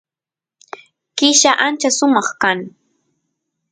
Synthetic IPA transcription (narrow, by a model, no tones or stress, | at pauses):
kɪʃaʔant͡ʃasʊmɑχkaŋ